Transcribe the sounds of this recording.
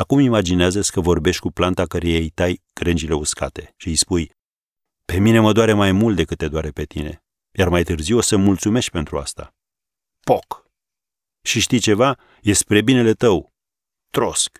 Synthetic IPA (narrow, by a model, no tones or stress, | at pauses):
akumimad͡ʒineazəsʲkəvo̞rbe̞ʃt̪ʲkuplant̪akəɾejejt̪aj | ɡ̥ɾend͡ʒile̞uska̰t̪e̞ʃijspuj | pe̞mine̞məd̪owaɾemajmult̪̚d̪e̞kɨt̪ːe̞d̪oaɾe̞pe̞t̪ḭne̞̰ | jarmajt̪ɨrziwosəmult̪sume̞ʃt̪̚ʲpe̞nt̪ɾua̰st̪a̰ | pok | ʃiʃt̪ijt͡ʃe̞va | je̞spɾe̞bine̞le̞t̪əw | t̪ɾo̞sk